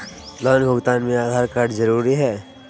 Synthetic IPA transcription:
lɔːnbʱʊɡt̪aːnmẽaːd̪ʱaːɾkaːɾɖzɐɾuːɾiɦɛː

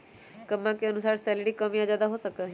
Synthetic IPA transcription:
kəmːãkeənʊsaːɾsɛːlɪɽikəmiad͡ʒaːd̪aɦosəkə

